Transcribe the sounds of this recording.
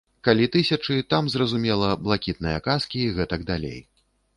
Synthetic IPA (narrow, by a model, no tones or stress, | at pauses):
kalʲit̪ɨsʲɐt͡ʂɨt̪amzrɐzumʲɛlˠɐblˠakʲit̪̚nɨjɐkaskʲiɣɛt̪ɐɡd̪alʲḛj